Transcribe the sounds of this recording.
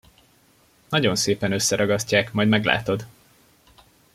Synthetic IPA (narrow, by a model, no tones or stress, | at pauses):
nɒɟo̞nseːpɛnø̞sːɛɾɒɡɒscːaːkmɒjd̪mɛɡla̰ːt̪o̞d̪